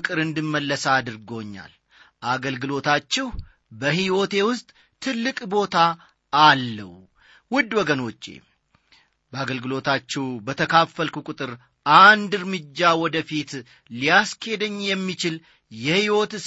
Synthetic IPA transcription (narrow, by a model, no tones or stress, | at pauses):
kʼɨɾɨnd̪ɨmːəlːəsad̪ɨɾɡo̞ɲːa̰l | ʔaɡəlɡɨlo̞t̪ʰat͡ʃːɛh | bəhiwo̞t̪ʰe̞wʊst̪ʼ | t̪ʰɨlːɨkʼbo̞t̪ʰaː | lːə̰w | wʊd̪ːwɔɡəno̞t͡ʃːḛ | bəaɡəlɡɨlo̞t̪ʰat͡ʃːɛwbət̪ʰəkʰafːəlkukʼʊt̪ʼɨɾ | ʔand̪ɨɾmɨd͡ʒːawɔd̪əfit̪ | lijasked̪əɲːjɛmːit͡ʃɪl | jɛhiwot̪ɨ